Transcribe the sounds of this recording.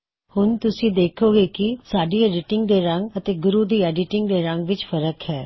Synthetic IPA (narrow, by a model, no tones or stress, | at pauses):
hʊnt̪ʊsĩːd̪eːkʰoːɡeːkɪsaːɖiːeːɾɪʈɪŋɡ̚d̪eːɾəŋɡət̪eːɡʊɾuːd̪iːɛːɖɪʈɪŋɡd̪eːɾəŋɡʋɪt͡ʃfʰəɾəkhɛː